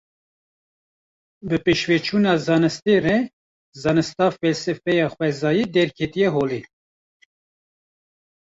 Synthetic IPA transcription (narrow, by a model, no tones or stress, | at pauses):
bɨpeʃvɛt͡ʃʰuːnɑːzɑːnɨst̪erɛ | zɑːnɨst̪ɑːffɛlsɨfɛjɑːxwɛzɑːjiːd̪ɛɾkʰɛt̪ijɛɦoːleː